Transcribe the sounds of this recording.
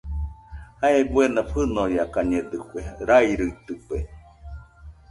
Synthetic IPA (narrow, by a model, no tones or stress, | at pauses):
haebuenaɸɨnojakaɲed̪ɯkʷeɾajɾɯit̪ɨpe